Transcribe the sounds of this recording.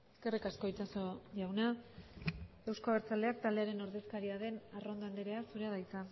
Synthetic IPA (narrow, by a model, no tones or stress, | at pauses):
eske̞rikasko̞jt͡ʃaso̞ʝawna | ewskoβeɾt͡sald̪e̞akt̪ald̪eaɾe̞no̞ɾðe̞skaɾiaðe̞naro̞nd̪oand̪eɾe̞asuɾeaðajt͡sa